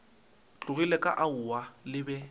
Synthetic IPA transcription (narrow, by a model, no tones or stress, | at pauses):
t͡ɬʼʊɣilɛkʼa̰ʔaʊwalɪbɛ